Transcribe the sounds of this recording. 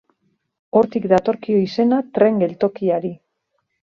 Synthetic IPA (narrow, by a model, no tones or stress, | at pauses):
o̞ɾt̪ikd̪at̪o̞ɾkio̞ise̞nat̪ɾe̞ŋɡe̞lt̪o̞kiaɾi